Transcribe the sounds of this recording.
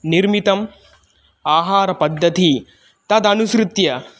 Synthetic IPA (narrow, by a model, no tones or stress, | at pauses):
niɾmit̪ɐm | aːɦaːɾɐpɐd̪ʱːɐt̪i | t̪ɐd̪ɐnuʃɾut̪jɐ